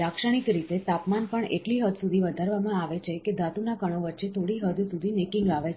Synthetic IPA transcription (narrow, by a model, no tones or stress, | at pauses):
akʃəɽ̃ikɾit̪et̪apmanpəɳḛʈliɦəd̪ʱsud̪ʱiʋəd̪ʱaɾʋamãaʋet͡ʃʰeked̪ʱat̪unakəɳ̃oʋətːʃet̪ʰoɽiɦəd̪sud̪ʱinekiŋɡaʋe